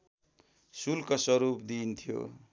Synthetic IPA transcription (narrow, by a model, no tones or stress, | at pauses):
sulkʌsʌɾupd̪int̪ʰijo̰